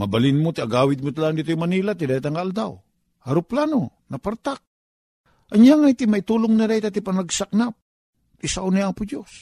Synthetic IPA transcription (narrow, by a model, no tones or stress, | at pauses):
mɐbalɪnmot̪ɪaɡaːwɪd̪̚mot̪alaŋd̪it̪ojmɐniːlat̪̬ɪd̪at̪aŋkaald̪a̰w | ɐɾʊplaːno | nɐpaɾt̪ak̚ | ʔɐɲjaŋajt̪ɪmait̪uːloŋnaɾajt̪at̪ɪpanaɡsak̚nap̪̚ | ɪsaʔʊnaapʊd͡ʒos